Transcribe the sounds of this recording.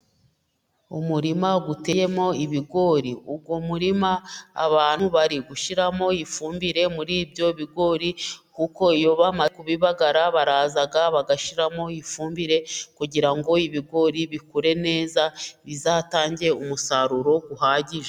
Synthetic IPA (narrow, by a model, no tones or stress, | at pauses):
umuɾimaɡute̞je̞mo̞iβiɡo̞ɾiub̚ɡomuɾima̰ːβaːnuβaɾiɡuʃiɾamo̞jifuːmbiɾe̞muɾiːbjo̞βiɡo̞ɾikuko̞ijo̞βamakuβiβaɡaɾaβaɾaːzaɡaβaɡaʃiɾamo̞jifuːmbiɾe̞kuɟiɾaŋɡo̞iβiɡo̞ɾiβikuɾe̞ne̞ːzaβizaːtaːɲɟe̞umusaɾuɾo̞ɡuhaːɟiʒe